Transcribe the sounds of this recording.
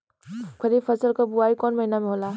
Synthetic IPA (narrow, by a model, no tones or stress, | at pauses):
kʰʌɾipʰʌsʌlkobuwajkɔnmʌjnameɦola